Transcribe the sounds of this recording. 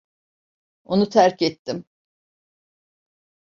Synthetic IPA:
onut̪ʰæɾcʰɛt̪ʰːim

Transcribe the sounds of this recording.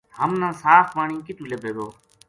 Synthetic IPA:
həmnãːsaːfʋaːɳĩːkɪt̪uːlebʱeːɡoː

